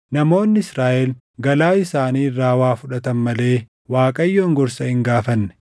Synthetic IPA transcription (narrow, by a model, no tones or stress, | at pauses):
nɐmo̞ːnːɪɪsɾaːʔɛl | ɡɐlaːɪsaːniːrːaːwaːfʊᶑɐt̪ɐnmɐle̞ː | waːkʼɐjːoːŋɡɔɾsɐhɪŋɡaːfɐnːɛ̥